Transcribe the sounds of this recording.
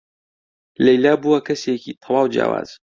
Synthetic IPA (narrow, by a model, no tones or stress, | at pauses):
lɐjlaːbuwɐkɐsekit̪ʰɐwaːwd͡ʒja̰ːwa̰ːz̥